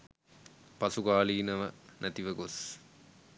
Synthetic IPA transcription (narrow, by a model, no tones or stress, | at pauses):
pɐsuɡaːliːnəʋənʔæt̪iʋəɡos